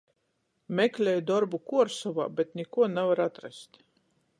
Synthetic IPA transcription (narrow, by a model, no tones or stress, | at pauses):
mʲɛklʲɛjd̪ɔɾbukuɔɾsɔva̰ːbʲɛt̪nʲɛkuɔnɛvaɾat̪ɾɛst̪